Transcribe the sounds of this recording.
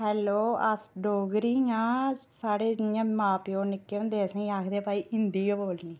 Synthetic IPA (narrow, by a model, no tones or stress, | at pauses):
ɦɛːloːəsɖoːɡɾiːŋãːsaːɽeːɪãːmaːpjoːnɪkːẽd̪eːsẽaːkʰd̪eːpaːiːʔɪnd̪iːjoːboːlniː